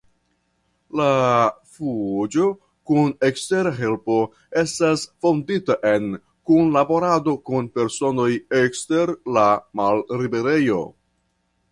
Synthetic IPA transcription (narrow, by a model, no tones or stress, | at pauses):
lafud͡ʒo̞ | kunekste̞ɾaɦe̞lpo̞ | e̞stasfo̞nditaʔe̞n | kunlabo̞ɾado̞kunpe̞ɾso̞no̞jekste̞ɾlamalɾibe̞ɾe̞jo̞̰